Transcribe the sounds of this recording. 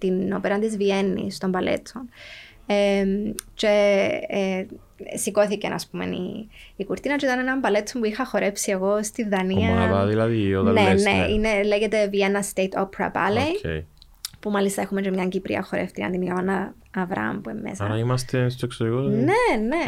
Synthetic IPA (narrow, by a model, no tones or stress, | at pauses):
t̪ino̞peɾɐnt̪izvienːḭst̪o̞mbɐlʔe̞̰t̪t͡son | emt͡ʃe̞ | siko̞θicḛnʔɐ̰spume̞̰nḭikuɾt̪inɐt͡ʃoit̪ɐnenɐmbɐlet̪t͡sːompuixɐxo̞ɾe̞psie̞ɣo̞st̪iðɐniɐnɐðɐðilɐðioðɐnenḛineleʝet̪e̞vienːɐst̪ejt̪ʰopɾɐ̰pa̰lejḛj | pumalist̪ɐe̞xumet͡ʃemɲɐɲɟipɾiɐ̰xoɾḛft̪ikɐ̰nd̪inɐɣonɐ | ɐvɾɐɐ̰mpuemːḛsaɾɐimɐst̪est̪oeksoɾikonene